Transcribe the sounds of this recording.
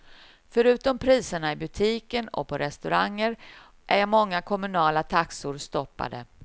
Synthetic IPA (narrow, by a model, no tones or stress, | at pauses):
fœɾʉ̟ːt̪ɔmpʰɾiːsəɳaɪbɵt̪ʰiːkənɔ̰pʰɔɾʔɛst̪ɵɾaŋːəɾ | ʔæjamɔŋːakʰɔmɵnɑːlat̪ʰaksʊɾst̪ɔpːa̰d̪ə